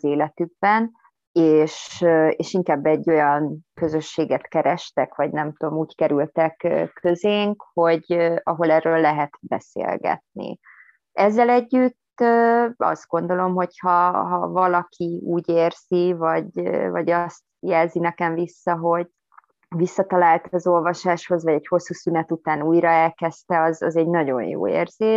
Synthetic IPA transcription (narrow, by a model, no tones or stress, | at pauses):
zeːlɛt̪yɡ̚bɛn | eːʃøeːʃiŋkaːbːɛɟːo̞jɒnkø̞zøʃːeːɡɛt̪kɛɾɛʃt̪ɛkʋɒɟnɛmt̪uomuːckɛɾylt̪ɛkːkʰːøzeːŋkho̞ɟøɒɦo̞lɛːrːøːlːɛɦɛt̪bɛ̰sḛːlɡɛ̰t̪̚nḭ | ɛzːɛlɛɟːyt̪ːøɒ̰sd̪t̪̚ɡ̥o̞nd̪o̞lo̞mɦo̞chɒɦɒ̰vɒlɒkʰiuːɟeːrz̥ivɒɟvɒ̰ɟɒst̪jɛlzinɛkɛɱvisːɒɦo̞ɟ̚ | visːɒt̪ɒlaːlt̪ɒzo̞lvɒʃaːʃho̞zvɒɟɛcho̞sːuːsynɛt̪ut̪aːnuːjɾɒɛlkɛst̪ɛɒzɒ̰zɛɟnɒɟo̞̰jjo̰ːḛːrz̥eː